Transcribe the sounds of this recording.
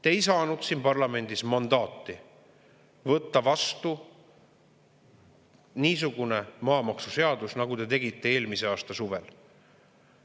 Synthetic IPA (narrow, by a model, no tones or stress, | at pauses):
t̪ejsɑːnud̪̥sinpɑrlɑme̞nd̪̥ismɑnd̪̥ɑːt̪ːˑi | vɤt̪ːɑvɑst̪u | niːs̬uɡ̥une̞mɑːmɑksuse̞ɑd̪̥usnɑɡut̪e̞t̪e̞ɡit̪ːe̞e̞ːlmise̞ɑːst̪ɑsuvḛl